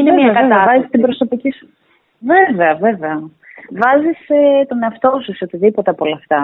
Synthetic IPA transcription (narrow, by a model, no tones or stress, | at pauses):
inemiɐkɐt̪vɐzist̪ibɾo̞so̞picisu̥ | veveɐve̞veɐ | vɐziset̪o̞ne̞ɐft̪o̞suseot̪iðipo̞t̪eɐpo̞lɐːft̪ɐ